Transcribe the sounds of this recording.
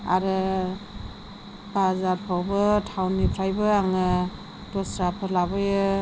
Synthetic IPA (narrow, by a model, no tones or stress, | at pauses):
a̰ɾɯ | bazaɾpʰawbɯtʰawnipʰɾajbɯaŋɯ | d̥ɔsɾapʰɯɾlabɯjɯ